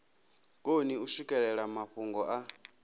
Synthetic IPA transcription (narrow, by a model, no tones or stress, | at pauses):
kʼoniuʃukʼɛɺɛɺamaɸuŋɡɔʔa